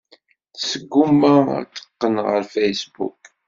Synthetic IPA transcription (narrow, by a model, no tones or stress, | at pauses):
θsəɡːumːæ̰t͡sːə̥qːənʁə̰ɾfejsbṵk